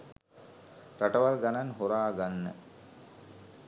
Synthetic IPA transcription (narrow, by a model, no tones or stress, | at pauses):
ɾaʈəʋalɡananɦoɾaːɡanːə̰